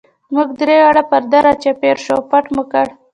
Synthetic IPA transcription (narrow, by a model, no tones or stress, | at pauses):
zmuɡd̪ɾeaɽapaɾd̪aɾat͡ʃapeɾʃopaʈməkaɽ